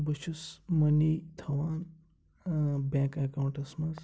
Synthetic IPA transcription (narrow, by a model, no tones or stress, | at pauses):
bɐʃusmɐnit̪ʰɐʋaːn | bɛ̃ːkɐkaːwuɳʈɐsmɐz